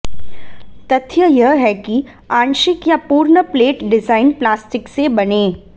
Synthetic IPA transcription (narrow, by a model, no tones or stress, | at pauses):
t̪ɐt̪ʰjəjɐɦɦɛki | ãːnʃɪkjapuːɾɳəpleːʈɖɪzaːɪnplaːsʈɪksebɐneː